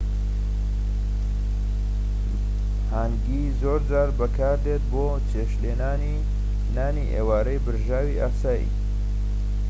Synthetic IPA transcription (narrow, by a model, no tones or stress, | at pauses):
haːŋɡizoːɾd͡zaːɾbɐkʰaːɾd̪et̪̚boː | t͡ʃʰeʃlenaːni | naːniʔḛːwaːɾɐjbɨɾʒaːwiʔaːsaːjḭ